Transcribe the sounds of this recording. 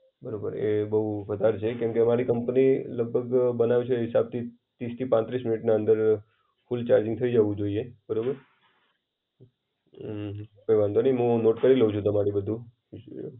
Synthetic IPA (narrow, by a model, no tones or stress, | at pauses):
bəɾobə̰ɾḛbəɦufəd̪ʱaɾt͡ʃʰekɛ̃mkeəmaɾikəmpniləɡ̚bʱəɡbənaʋit͡ʃʰeɦɪsab̚t̪ʰi | t̪ɾist̪ʰipãt̪ɾismɪnɪʈnaə̃nd̪əɾ | fʊlt͡ʃaɾd͡ʒɪ̃ŋ̚t̪ʰəid͡ʒəʋũd͡ʒoiebəɾobəɾ | peʋãnd̪onəiɦũnoʈkəɾiləʋud͡ʒʰũt̪əmaɾibəd̪ʱũ